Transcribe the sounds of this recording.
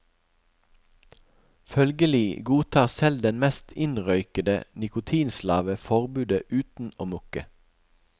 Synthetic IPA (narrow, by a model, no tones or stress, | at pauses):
fœlɡəliːɡuːt̪ʰɑːʁsɛld̪ɛnmɛːst̪ʰɪnʁœʏkəd̪ə̰nɪkʊt̪ʰiːnslɑ̰ːʋəfɔʁbʉːd̪əʔʉːt̪n̩oːmʉkə̰